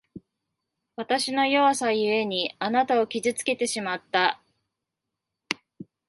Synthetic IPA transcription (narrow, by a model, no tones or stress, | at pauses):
βat̪aɕino̞jo̞asajɯ̟e̞ɲ̟ianat̪ao̞kʲizɨt͡sɨ̥ke̞t̪e̞ɕimat̪ːa